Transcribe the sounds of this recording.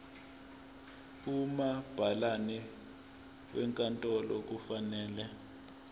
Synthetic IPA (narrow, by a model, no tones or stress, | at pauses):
umab̥ʱalanɛ | wʔɛŋkʼantʼɔlɔk̬ufanɛːlɛ